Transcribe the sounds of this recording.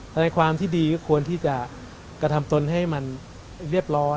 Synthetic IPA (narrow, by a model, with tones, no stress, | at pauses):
t̪ʰɛ˧na˧jkʰwaː˧mt̪ʰiː˥˩diː˧kɔː˥˩kʰu˧ənt̪ʰiː˥˩t͡ɕa˨˩ | kɾa˧t̪ʰa˧mt̪o˧nɦa˥˩jma˧n | ɾi˥˩əp̚ɾɔː˦˥